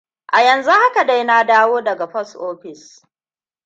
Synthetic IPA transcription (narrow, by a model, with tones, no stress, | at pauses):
ʔa˨jɐ˨nzu˦ha˦ka˨da˦jnaː˦daː˦woː˦dɐ˨ɡa˨ɸɐ˦sʔoː˦ɸɪ˨s